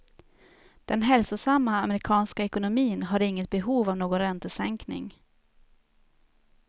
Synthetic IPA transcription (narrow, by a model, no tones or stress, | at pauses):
d̪̥ɛnɦɛlsʊsamːaːmɛɾɪkʰɑːnskaɛkʊnʊmiːnɦaɾɪŋːət̪̚bɛɦuːvavnoːɡɔnɾɛnt̪əsɛŋknɪ̰ŋ